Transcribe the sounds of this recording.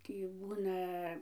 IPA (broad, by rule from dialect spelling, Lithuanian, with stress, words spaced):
ˈtʲiː ˈbuːnɐ